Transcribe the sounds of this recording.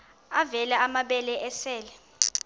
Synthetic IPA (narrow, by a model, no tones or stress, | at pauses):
avɛlaamaɓɛlɛʔɛsɛːlɛ